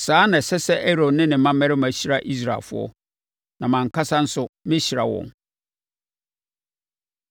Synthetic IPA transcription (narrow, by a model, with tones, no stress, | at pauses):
saː˨˦nã˨sɛ˦sɛ˦ʔɛ˦ɾo˨dnɪ̃˦nɪ̃˨mã˦mɛ̃˦ɾɪ˦mã˨ɕi˦ɾa˦ʔi˦s̬ɾa̰˨fʊ̰˦ɔ̰˦ | nã˨mã˨ŋ̩˨kʰa˦sã˦n̩˦sʊ˦mɪ̃˦ɕi˨ɾa̰˨wɔ̰̃˨n